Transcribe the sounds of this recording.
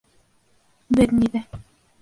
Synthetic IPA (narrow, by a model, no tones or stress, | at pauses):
bɘɾniðæ